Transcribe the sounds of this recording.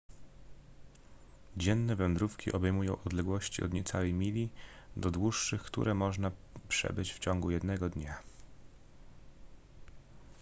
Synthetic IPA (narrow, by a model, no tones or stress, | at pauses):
d͡ʑɛnːɛvɛnd̪ɾufkʲḭʔɔbɛjmujɔ̃w̃ɔd̪lɛɡwɔɕt͡ɕḭɔ̰d̪ɲɛt̪sawɛjmʲilʲi | d̪ɔd̪wuʂːɘxkt̪ṵɾʔɛmɔʐnapʂɛ̰bɘt͡ɕft͡ɕɔŋɡujɛd̪nɛɡɔd̪ɲa